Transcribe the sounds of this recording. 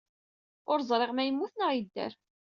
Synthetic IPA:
ʊɾzˤɾˤeʁmæjəmːuθnəʁid̪ːæ̰ɾ

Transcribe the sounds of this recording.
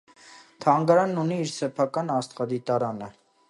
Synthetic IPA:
t̪ʰɑŋɡɑɾɑnːuniːɾsɛpʰɑkɑnɑst̪χɑd̪it̪ɑɾɑnə

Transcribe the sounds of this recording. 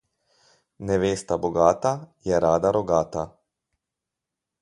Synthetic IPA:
nɛʋeːst̪aboɡaːt̪ajɛɾaːd̪aɾoɡaːt̪a

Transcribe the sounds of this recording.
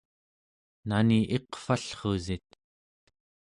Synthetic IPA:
naniʔe̞qfaɬχozit̪̚

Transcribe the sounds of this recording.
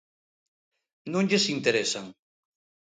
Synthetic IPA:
nõŋʎesint̪eɾesaŋ

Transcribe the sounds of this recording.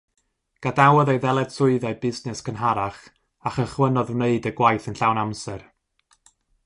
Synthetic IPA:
ɡ̥adawɛðejðɛlˠɛd̥sʊɨðaɨbɪsnɛskʰənɦaɾaχ | aχəχwənɔðneɨdəɡwajθənɬawnamsɛr

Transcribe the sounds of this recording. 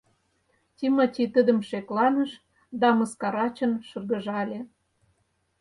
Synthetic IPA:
tʲimotʲit̪əd̪ə̆mʃeklɑnə̆ʃ | d̪ɑmɤ̆skɑɾɑt͡ɕənʃɤ̆rɣə̆ʒɑlʲe

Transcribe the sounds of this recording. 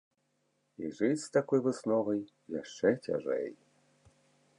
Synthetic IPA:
iʐɨst̪akɔjvɨsnɔvɐj | jaʂt͡ʂɛtʲa̰ʐɛ̰j

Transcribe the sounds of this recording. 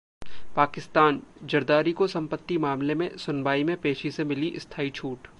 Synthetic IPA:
paːkɪst̪aːnd͡ʒɐɾd̪aːɾikosɐ̃mpət̪ːimaːmlemẽsʊnbaːimẽpeːʃisemɪliʔɪst̪ʰaːit͡ʃʰuːʈ

